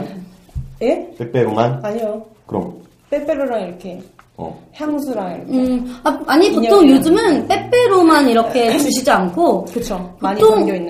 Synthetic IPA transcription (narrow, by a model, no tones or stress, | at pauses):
jep͈ep͈eɾomanaɲio | kɯɾʌ̰m | p͈ep͈eɾoɾaŋiɾʌkʰe̞ | ʌ̰heamusʰuɾaŋiɾʌ̰kɯaaɲipotʰoŋjod͡ʑɯmɯnp͈ep͈e̞ɾomaniɾʌkʰe̞t͡ɕɯɕ̬ʰid͡ʑiankʰokɯt͡ɕʰopoɲtʰoŋŋnː